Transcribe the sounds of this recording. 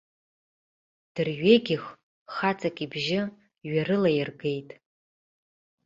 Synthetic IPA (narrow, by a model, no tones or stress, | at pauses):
d̥ɨrɥeɡʲɪχ | χat͡sʼakʼibʒɪ | ɥarɨlajɪrɡe̞jtʼ